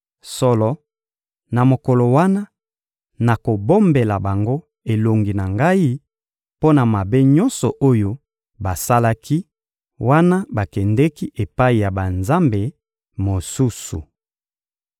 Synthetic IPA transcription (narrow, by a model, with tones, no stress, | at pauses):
sɔ˨lɔ˨ | na˨mo˨kɔ˨lo˨wa˦na˦ | na˨ko˨bo˦mbe˨la˨ba˨ŋɡo˦ | e˨lo˨ŋɡi˨na˨ŋɡa˦i˦ | po˦na˨ma˨be˦ɲɔ˦nsɔ˨ʔo˦jo˦ | ba˨sa˦la˦ki˦ | wa˦na˦ba˨kɛ˨ndɛ˦ki˦ʔe˨pa˦i˨ja˨ba˨nza˦mbe˨ | mo˨su˦su˨